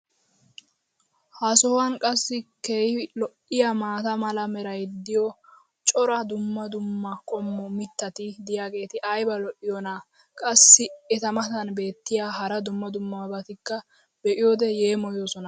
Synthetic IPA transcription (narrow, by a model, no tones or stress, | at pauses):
hɐsɔwɐnkʼɐsːɪkeːhlɔʔːɪjamaːt̪ɐmɐlɐmɛɾɐjd̪ɪjɔ | t͡ʃʼɔɾɐd̪ʊmːɐd̪ʊmːɐkʼɔmːɔmɪt̪ːɐt̪ɪd̪ɪjaːɡe̞ːt̪ɪʔɐjbɐlɔʔɪjɔna | kʼɐsːɪɛt̪ɐmɐt̪ɐnbe̞ːt̪ːɪjaːɦɐɾɐd̪ʊmːɐd̪ʊmːɐbɐt̪ɪkːɐ | bɛʔɪjoːd̪ɛje̞ːmɔjoːsɔnɐ